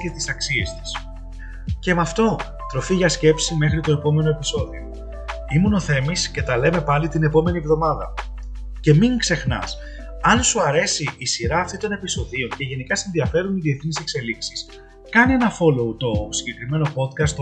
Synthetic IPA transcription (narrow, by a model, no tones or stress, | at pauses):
et̪i̥sɐksie̞st̪i̥s | ce̞mɐft̪o̞ | t̪ɾo̞fiʝɐsce̞psime̞xɾit̪o̞e̞po̞me̞no̞e̞piso̞ðio̞̰ | imuno̞θe̞misce̞t̪ɐle̞me̞pɐlit̪ine̞po̞me̞nievðo̞mɐðɐ | ce̞miŋkse̞xnɐ̰s | ɐnsuɐɾe̞siʔːsiɾɐːft̪it̪o̞ne̞piso̞ðio̞ɲce̞ʝe̞nikɐsinðiɐfe̞ɾuniðie̞θnise̞kse̞liksis | kɐnie̞nɐfo̞lo̞ut̪o̞siɲɟe̞kɾime̞no̞po̞t̪kɐst̪